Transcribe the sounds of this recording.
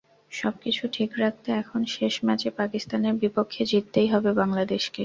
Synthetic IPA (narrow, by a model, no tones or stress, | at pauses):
ʃɔb̚kit͡ɕʰuʈʰikɾak̚ʰt̪eɛkʰonʃeʃmɛt͡ɕepakist̪aneɾbipokʰːed͡ʑit̪ːejɦɔbebaŋlad̪eʃke